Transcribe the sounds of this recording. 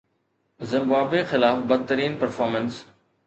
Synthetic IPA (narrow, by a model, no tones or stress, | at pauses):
zɪ̃mbaːbexɪlaːfbɐd̪̚t̪əɾiːnpɐɾfɔːɾməns